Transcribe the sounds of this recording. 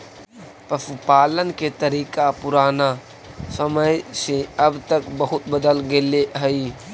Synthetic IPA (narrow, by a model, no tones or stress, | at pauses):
pəsupaːlənket̪əɾiːkapʊɾaːna | səməjsẽəbt̪əkbəɦʊt̪bəd̪əlɡeleɦəɪ